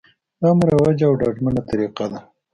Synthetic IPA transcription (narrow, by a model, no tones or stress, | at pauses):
amɾawad͡ʒaːwɖɑɖmanat̪aɾiqad̪a